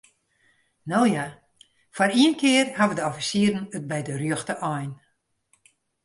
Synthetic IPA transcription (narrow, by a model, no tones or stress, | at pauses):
nowja | fariənkʰɪərhaʋədəɔfisiːəɾənət̚bɛjdərjøxtəʔɔjn